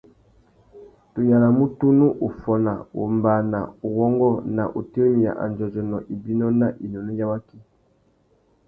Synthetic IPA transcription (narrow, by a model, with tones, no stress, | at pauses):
to˨ja˨la˨mu˦tu˦nu˦ʔo˨fɔ˨na˨o˨mba˨na˨o˨wɔ˦ŋɡɔ˦na̰˨ʔo˨te˦mi˨ja̰˨ʔa̰˨nd͡ʒɔ˨d͡ʒɔ˨nɔ˨ʔi˨bi˦nɔ˦na˨ʔi˨nɔ˨nɔ˦ja˦wa˦ki˦